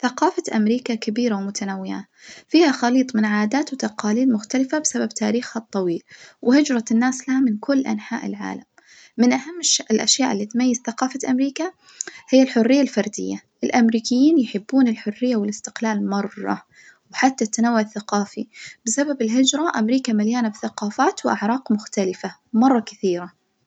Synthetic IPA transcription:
θaqɑːfaʔamɾiːkakabiːɾawmʊt̪anawːɪja̰ː | fiːhaxɑliːt̪ˤmɪnʕaːd̪aːt̪wt̪ɑqɑːliːd̪mʊxt̪alɪfabɪsababt̪ʰaːɾiːxhat̪ˤːɑwiːlwɪhɪd͡ʒɾˤɑnːaːslahamɪnkʊlːʔa̰nħa̰ːʔɪ̰lʕa̰ːlamː | ɪnʔahamːɪʃɪlʔa̰ʃjaːʔɪlːiːt̪majːɪz̥θaqɑːfaʔamɾiːka | hɪjːalħʊrːɪjːalfɑɾˤd̪ɪ̰jːaʔɪlʔamɾiːkɪjːiːnjħɪbːuːnɪlħʊrːɪjːawɪlɪst̪ɪ̥qlaːlmɑrˤːɑ̰ | wħat̪ːat̪ːanawːaʕθːaqɑːfib̥ɪsababɪlɦɪd͡ʒɾˤɑʔamɾiːkamɪljaːnabθaqɑːfaːt̪wʔaʕɾˤɑːqmʊxt̪alɪfamɑrˤːɑkɪθiːɾa

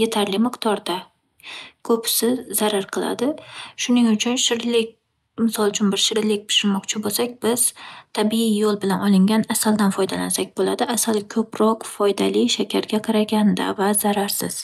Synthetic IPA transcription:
je̞t̪ʰaɾlɪmɨqt̪ʰɒɾd̪a | kʰɵpsɪzzaɾaɾqʰɨlˠa̰d̪ɪʃʊnɪŋʊt͡ʃʰʊnʃɪɾlɪkʲ | mɪsɒlˠt͡ʃʰʊnbɪɾʃɪɾlɪk̚ʲpʰɪ̥ʃɪɾmɒqt͡ʃʰɪbolsakʲb̥ɪz̥t̪ʰabiɪjolˠbɪlanɒlˠɪŋɡʲanasald̪anfɒjd̪alansakʲbolad̪ɪasalkʰɵpɾɒqfɒjd̪alɪʃakʲʰaɾɡʲaqʰɑɾaɡʲand̪a̰vaz̥aɾaɾsɪ̰z̥

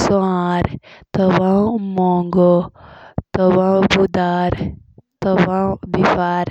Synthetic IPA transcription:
suaɾt̪əbãmɔŋɡo | t̪əbãbud̪aɾt̪əbãbifaːɾ

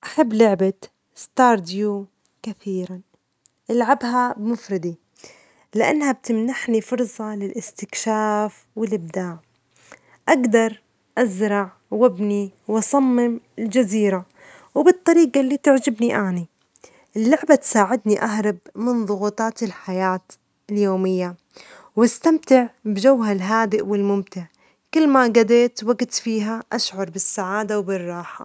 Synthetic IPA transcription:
ʔaħabːlʊʕba | st̪ɑːɾˤd̪ju | kaθiːɾan | ʔalʕabɦabɪmʊfɾɪd̪i | lɪʔa̰nːhab̚t̪ɪmnaħnifʊɾˤsˤɑlɪlʔɪst̪ɪkʃaːf | wɪlʔɪb̚d̪aːʕ | ʔaɡd̪ɑɾˤ | ʔazɾˤɑʕ | wɪbniwʔɑsˤɑmːɪmɪld͡ʒaziːɾa | wbɨt̪ˤːɑɾiːɡalːiːt̪ɪʕd͡ʒɪbniʔaːni | ʔɪlːʊʕbat̪saːʕɪd̪niʔaɦɾˤɑbmɪnðˤʊɣuːt̪ˤɑːt̪ɪlħajaːt̪ | ɪljoːmɪjːa | wast̪amt̪ɪʕbɪd͡ʒawɦalɦaːd̪ɪʔwɪlmʊmt̪ɪʕ | kɪlːmaɡad̪eːt̪waɡt̪fiːɦaʔaʃʕʊɾˤbɪsːaʕaːd̪awbɪrˤːɑːħa̰

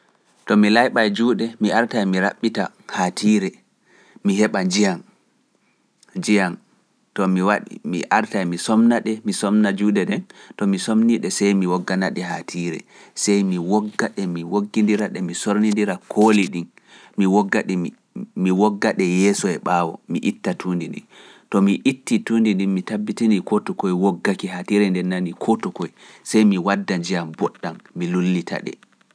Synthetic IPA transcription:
tɔmilajɓajd͡ʒuːɗɛmiaɾtajmiɾaɓːita | hatʰiːɾɛ | miɦɛɓad͡ʒijan | d͡ʒijan | tɔmiwaɗimḭʔaɾtajmisɔmnaɗɛmisɔmnad͡ʒuːɗɛɗɛntɔmisomniɗɛsɛjmiwɔɡːanaɗɛɦa̰tʰiːɾɛ̰sɛjmiwɔɡːaɗɛmiwoɡːindiɾaɗɛmisoɾnindiɾakʰoːliɗin | miwɔɡːaɗɛ | miwɔɡːaɗɛjɛːsɔɛɓaːwɔ̰miʔitːatʰuːndindḭntɔmiʔitːituːndindinmitabːitinikɔtɔkɔjwoɡːakiɦatiɾɛndɛnːanikʰɔtɔkɔjsɛjmiwadːaɲd͡ʒijambɔɗːanmilulːitʰa̰ɗɛ̰

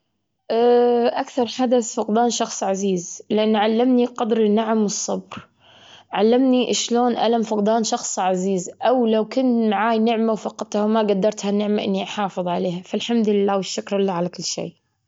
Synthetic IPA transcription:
ʔaːʔakθɑɾˤħad̪aθfʊqd̪aːnʃɑxsˤʕaziːzlɪʔanːʕalːamniqɑd̪ɾɪnːaʕamwɨsˤːɑbɾ | ʕalːamniʔɪʃloːnʔa̰lamfʊqd̪ɑːnʃɑxsˤʕaziːzʔawlawkʊnt̪maʕaːjnɪʕmawfɑqt̪ˤhawmaɡad̪ːɑɾˤt̪hanɪʕmaʔɪ̰nːiʔaħɑːfɨðˤʕaleːhafalħamd̪ʊlɪlːaːwɪʃːʊkɾɪlːaːʕalakɪlːʃḛː

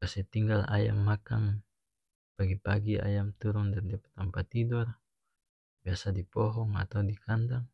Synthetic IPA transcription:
kasɛt̪iŋɡala̰ja̰mːakaŋ | paɡipaɡia̰jamt̪uɾundandiapḁt̪ampat̪idɔr | biasadipɔɦɔŋa̰t̪awdikʰandaŋ

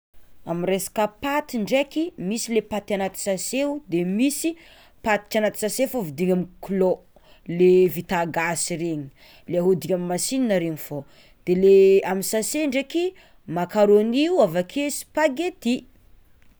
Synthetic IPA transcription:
amiresḁkəpat̪iɳɖ͡ʐekimisilepat̪anat̪i̥saseud̪emisi | pat̪i̥t͡ʃanat̪i̥saseufovid̪iŋamikulo | levit̪aɡasiɾeɲi̥ | leaɦud̪iŋʲamimːasininəɾeɲifo | d̪̥eleamisaseɳɖ͡ʐeki | makaɾoaniuwavakʰesi̥paɡet̪i

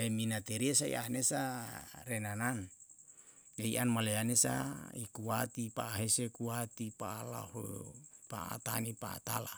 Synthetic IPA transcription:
eminat̪eɾiesaḭʔa̰nesarenanan | eiʔanmaleanesa̰ikuat̪ipaːɦesekuat̪ipaːla̰ho̰pa̰a̰t̪a̰nipa̰a̰t̪a̰la̰

